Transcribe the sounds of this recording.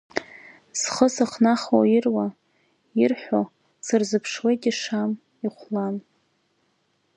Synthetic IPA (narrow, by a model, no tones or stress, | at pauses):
sχəsɨχnaχo̰irwa | irħʷᶣo | sɨrzɨpʰʂwejtʼiʂam | iχʷlan